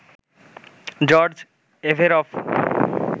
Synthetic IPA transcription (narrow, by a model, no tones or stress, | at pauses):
d͡ʑɔɾd͡ʑ | efeɾɔf